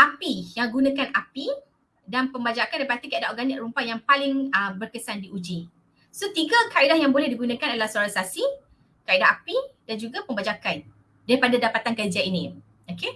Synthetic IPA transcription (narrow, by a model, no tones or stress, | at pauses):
ʔapijaŋɡunãkanapi | danpəmbad͡ʒakandaipat̪ikaidaɦoɡanɪkrumpajaŋpalɪŋəbərkəsandiʔud͡ʒi | sot̪iɡakaidahjaŋbolɛhdiɡunãkanadalahsoaɾansasi | kaidaɦapidand͡ʒuɡapəmbad͡ʒakan | daɾipadadapat̪ankəd͡ʒainĩ | oke